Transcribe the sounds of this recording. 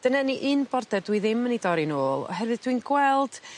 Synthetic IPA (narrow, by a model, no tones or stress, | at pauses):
d̥ənɛniʔɨnbɔrdɛdwiðɪmənidɔɾinoːlˠɔ̰ɦɛɾvɨðd̥winɡwɛlˠd̥